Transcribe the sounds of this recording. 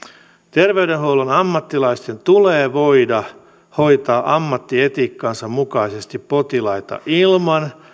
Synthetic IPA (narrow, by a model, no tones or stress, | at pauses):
t̪e̞rʋe̞ɥdenɦowlunɑmːɑt̪ːilɑist̪e̞nt̪uleːʋo̞jdɑ | ho̞jt̪ɑːʔɑmːɑt̪ːie̞t̪iːkːɑːnsɑmmukɑise̞st̪ipːo̞t̪ilɑjt̪ɑ̰ʔilmɑn